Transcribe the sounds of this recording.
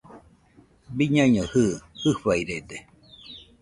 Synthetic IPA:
biɲãɲohɯhɨɸaiɾed̪e

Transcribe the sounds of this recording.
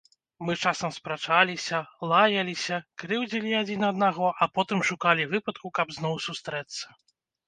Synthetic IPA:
mɨt͡ʂasɐmspɾat͡ʂalʲisʲɐlˠajɐlʲisʲɐkɾɨwd͡zʲilʲiad͡zʲinɐd̪̚naɣɔʔɐpɔt̪ɨmʂukalʲivɨpɐt̪̚kukɐbznɔwsust̪ɾɛt̪sːɐ̥

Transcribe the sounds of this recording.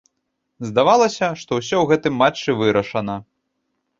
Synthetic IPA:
zd̪avalˠɐsʲɐʂt̪ɔws̬ʲɔwɣɛt̪ɨmːat͡ʂːɨvɨɾɐʂɐnɐ

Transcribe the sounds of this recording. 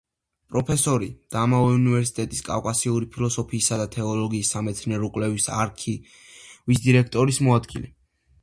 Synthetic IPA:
pʼɾɔpʰɛsɔɾid̪̥aːmavɛunivɛɾsi̥t̪ʼɛt̪ʼiskʼa̰fkʼasiuɾipʰilɔsɔpʰiːsad̪at̪ʰɛɔlɔɡiːsːamɛt̪sʰnɛɾɔkʼwlɛvisa̰ɾkʰi | vis̬d̪iɾɛkʰt̪ʼɔɾismɔad̪ɡilɛ

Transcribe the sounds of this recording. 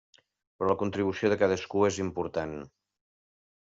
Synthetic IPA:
pɾɔləkunt̪ɾiβ̞usioðəkað̞əskuezimpuɾt̪an

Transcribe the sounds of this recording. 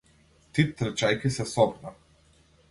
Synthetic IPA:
t̪it̪ːɾt͡ʃajkʲisɛsɔbna

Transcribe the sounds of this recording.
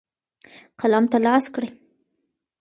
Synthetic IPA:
qʰalɑmt̪alɑskɽəj

